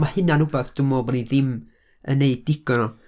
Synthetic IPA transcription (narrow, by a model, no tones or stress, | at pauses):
mahɪnanubaθd̥ʊmɔbniðɪm | ə̰neɨddɪɡ̥ɔnɔ